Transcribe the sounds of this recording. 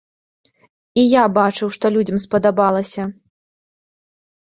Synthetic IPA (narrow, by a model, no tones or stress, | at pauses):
ijabat͡ʂɨwʂt̪ɔlʲud͡zʲɐmspɐd̪abalˠɐsʲɐ